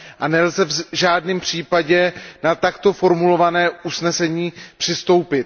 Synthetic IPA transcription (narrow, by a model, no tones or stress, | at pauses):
ʔanɛlzɛvʒaːdnɪːmpr̝̥iːpaɟɛnat̪akt̪o̞fo̞ɾmulo̞vanɛːusnɛsɛɲiːpr̝̥ɪst̪o̞wpɪt̪̚